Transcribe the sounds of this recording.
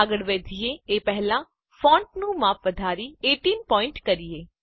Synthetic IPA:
aɡəɽʋeːd̪ʱijeepɛɦlã | fʰɔ̃ːɳʈnũmaːpʰʋəd̪ʱaːɾieʈiːnpɔːɪ̃ɳʈkəɾijeː

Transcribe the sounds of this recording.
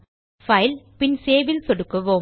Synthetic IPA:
fɐɪlpɪnseːʋɪlsɔɽɯkːɯʋoː

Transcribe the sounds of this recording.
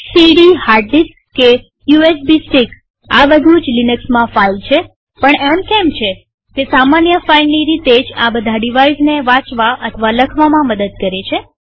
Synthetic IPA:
siɖihaɾɖiskkːe | juesbisʈik | aʋəd̪ud͡ʒlinəksmãfailt͡ʃʰe | pəɳɛmkɛmt͡ʃʰe | kesamanjəfailniɾit̪ed͡ʒabəd̪ʱaɖiʋaizneʋãt͡ʃʋaʔət̪ʰəʋaləkʰʋamãməd̪əd̪̚kəɾet͡ʃʰe

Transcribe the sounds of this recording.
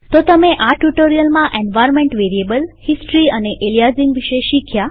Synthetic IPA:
t̪ot̪əmẽʔaʈuʈoɾijəlmãʔenʋajɾnmẽɳʈʋeɾiebəlhisʈɾiəneʔelijazĩŋɡʋiʃeʃikʰja

